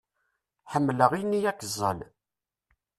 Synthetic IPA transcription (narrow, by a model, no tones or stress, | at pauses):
ħəmːləʁijnːijækːəzˤːə̰l